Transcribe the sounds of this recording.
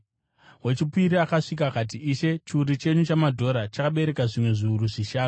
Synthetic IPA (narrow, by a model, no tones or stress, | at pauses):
we̞t͡ʃipiɾiakaʂik̬aːkat̬iiʃe̞t͡ʃiuɾit͡ʃe̞ɲut͡ʃamadʱo̞ɾat͡ʃakaɓe̞ɾe̞kaʐimwe̞ʐiuɾuʐiʃaːnu